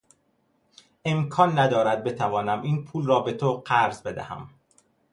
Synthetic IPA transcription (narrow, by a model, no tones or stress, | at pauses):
e̞mkʰɒːnːæd̪ɒːɾæd̪̚be̞t̪ʰævɒːnæmʔiːnpʰuːlrɒːbe̞t̪ʰoɢæɾzbe̞d̪æ̰hæ̰m